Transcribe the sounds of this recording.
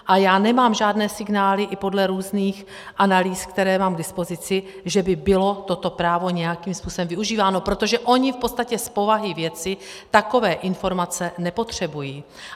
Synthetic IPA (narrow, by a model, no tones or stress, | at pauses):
ʔajaːnɛmaːmʒaːdnɛːsɪɡnaːlɪʔɪpo̞dlɛɾuːzniːx | ʔanaliːskt̪ɛɾɛːmaːmɡ̚dɪspo̞zɪt͡sɪ | ʒɛbɪbɪlo̞t̪o̞t̪o̞pɾaːvo̞ɲɛjakiːmspuːsɛmvɪuʒiːvaːno̞pɾo̞t̪o̞ʒɛʔo̞ɲɪfpo̞t̪t͡sst̪acɛspo̞vaɦɪvjɛt͡sɪt̪ako̞vɛːʔɪnfo̞ɾmat͡sɛnɛpo̞t̪r̝̥ɛbujiː